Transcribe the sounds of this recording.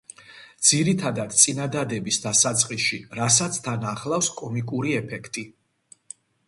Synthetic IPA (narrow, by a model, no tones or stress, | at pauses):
d̪z̥iɾit̪ʰad̪ad̪̥t̪sʼinad̪ad̪ɛbisd̪asat̪sʼqʼiʃiɾasat̪sʰt̪ʰanaχlˠafskʼɔmikʼuɾiɛpʰɛkʰt̪ʼi